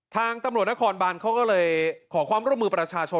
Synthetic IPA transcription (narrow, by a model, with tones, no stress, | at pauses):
t̪ʰaː˧ŋt̪a˧mɾu˨˩t̪̚na˥kʰɔː˧nbaː˧nkʰa˦˥˩wkɔː˥˩lɤː˧jkʰɔː˩˦kwaː˧mɾu˥˩mɯː˧˩pɾa˧t͡ɕʰaː˧t͡ɕʰo˧